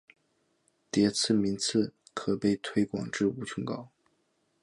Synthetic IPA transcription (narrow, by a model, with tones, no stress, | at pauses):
t̪jɛ˧˥t͡sʰɹ̩˥˩mi˧˥nt͡sʰɹ̩˥˩ | kʰɤ˨˩pe˥˩ɪt̪ʰwe˧˥ɪkwɑ̰˨˩ŋʈ͡ʂɻ̩˥˩u˧˥t͡sʰwə˧˥ŋkɑ˨˥˦ʊ